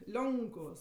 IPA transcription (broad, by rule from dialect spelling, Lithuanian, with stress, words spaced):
ˈlʲoːŋkʊʋoːs